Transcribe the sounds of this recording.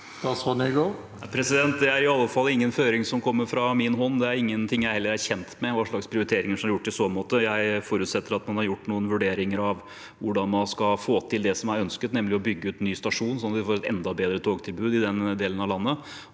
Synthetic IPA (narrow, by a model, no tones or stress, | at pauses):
d̪ɑsʋɑnəɪɡoː | pʰɾɛsɪd̪ɛnt̪̚d̪ɛæɾɪɑlːəfɑlːɪŋːənføːɾɪŋsɔmkʰɔmːəɾfɾɑmɪnɦɔnːd̪ɛæɾɪŋːənt̪ʰɪŋːjæɪhɛlːəɾæɾçɛnt̪mɛʋɑʂɭɑkspʰɾɪʊɾɪt̪ʰeːɾɪŋəʂɔmhɑɾjʊʈːpɪsoːmoːt̪əjæɪfɔɾʉːt̪sɛt̪ːəɾɑt̪mɑnhɑɾjʊʈːnuːənʋʉɖeːɾɪŋəɾɑʋ | ʋʊɖɑnmɑnskɑfoːt̪ʰɪld̪ɛsɔmæɾœnskət̪nɛmːlɪɔbʏɡːəʉːt̪nyːst̪ɑʂuːnsɔnːɑt̪ʋɪfoːɾɛt̪ɛ̰nd̪ɑbeːd̪ɾət̪ʰoːɡt̪ʰɪlbʉːd̪ɪd̪ɛnd̪eːlənɑʋlɑnːə